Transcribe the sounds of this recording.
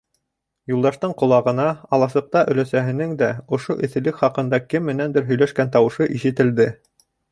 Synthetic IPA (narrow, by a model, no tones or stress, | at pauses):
julˠd̪ɑʃt̪ɤɴqŏlˠɑʁɤ̆nɑɑlˠɑsɤ̆q̚t̪ɑʔɵ̆læsæɦɘ̆nɘŋd̪æŏʃoʔɵ̆θɘ̆lɘkχɑqɤ̆nd̪ɑkɘmːɘ̆nænd̪ɘɾɦɵ̆jlæʃkænt̪ɑwɤ̆ʃɤʔiʃɘ̆t̪ɘ̆ld̪ɘ